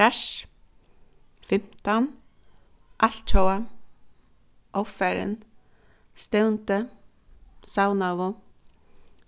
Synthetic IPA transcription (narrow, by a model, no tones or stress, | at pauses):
aʃ | fɪm̥t̪an | ʔaɬt̪̚t͡ʃʰowa | ʔɔfɛɾɪ̰n | st̪ɛwnt̪ə | sawnaʋʊ